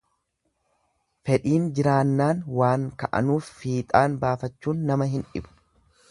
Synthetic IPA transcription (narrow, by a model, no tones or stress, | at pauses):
fɛᶑiːnd͡ʒɪɾaːnːaːŋwaːŋkɐʔɐ̰nuːfːiːt̪ʼaːnbaːfɐt͡ʃːuːnːɐmɐɦɪnᶑɪ̰bʊ̥